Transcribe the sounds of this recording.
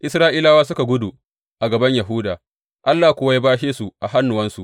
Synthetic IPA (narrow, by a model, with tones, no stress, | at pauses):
ʔɪ˨sɾaː˦ʔiː˦laː˦waː˦sʊ˦ka˨ɡʷʊ˦du˨ | ʔa˨ɡɐ˨bɐ˦ɲja˨ɦʊ˦daː˨ | ʔa˦lːaː˨kʷʊ˦wa˦jaː˦baː˦ʃeː˦su˨ʔa˨ha˦nːʊ˨wɐ˦nsu˨ʔ